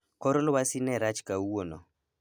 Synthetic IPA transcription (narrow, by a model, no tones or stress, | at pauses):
kɔɾɔlɔwasinɛɾat͡ʃkawono̰